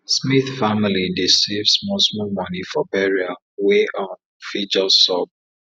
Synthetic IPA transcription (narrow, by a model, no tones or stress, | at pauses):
smiθfamilidisivsmɔsmɔmɔnifɔbɛɹia | weʔɔ̃n | fid͡ʒɔsɔb̚